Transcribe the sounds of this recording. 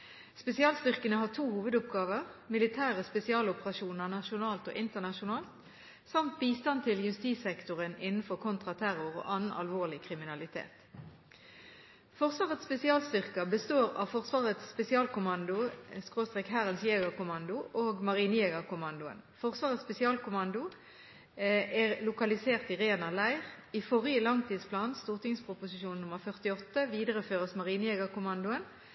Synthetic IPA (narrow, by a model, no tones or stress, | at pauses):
spɛsɪɑːlst̪ʏʁkənəhɑːʁt̪ʰuːhuːʋəd̪ʊpɡɑːʋəʁmɪlɪt̪ʰæːʁəspɛsɪɑːlʊpəʁɑʃuːnəʁnɑʃʊnɑːlt̪o̰ːʔɪnt̪əʁnɑʃʊnɑːlt̪ | sɑmt̪̚biːst̪ɑnt̪ʰɪljʉst̪iːsɛkt̪ʊʁənɪnn̩fɔʁkʰʊnt̪ʁɑt̪ʰæʁʊʁo̰ːʔɑnn̩ɑ̰lʋoːʁlɪkʰʁɪmɪnɑlɪt̪ʰḛːt̪ | fɔʁsʋɑːʁət̪spɛsɪɑːlst̪ʏʁkɑbəst̪oːʁɑ̰ʋfɔʁsʋɑːʁət̪sːpɛsɪɑːlkʊmɑnd̪ʊskʁoːst̪ʁeːkhæʁənsjeːɡəkʊmɑnd̪ʊʔoːɡmɑʁiːnəjeːɡəʁkʊmɑnd̪ʊə̰nfɔʁsʋɑːʁət̪spɛsɪɑːlkʊmɑnd̪ʊ | æʁlʊkɑlɪseːʁt̪iʁeːnɑlæɪʁ | ifɔʁɪəlɑŋt̪ʰiːd̪spʰlɑːnst̪uːʁt̪ɪŋspʰʁʊpʊsɪʃuːnnʊməʁfœʁt̪ɪɔt̪ːəʋiːd̪əʁəføːʁəsmɑʁiːnəjeːɡɑʁkʊmɑnd̪ʊən